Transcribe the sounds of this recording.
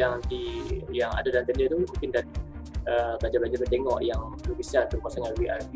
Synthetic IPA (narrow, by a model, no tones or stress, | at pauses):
jaŋant̪ijaŋa̰dadant̪əndət̪umuŋkɪndat̪̚əbad͡ʒablad͡ʒabərt̪eŋɔʔjaŋəlubisanp̪ərkuasaŋãnwiʔa̰ri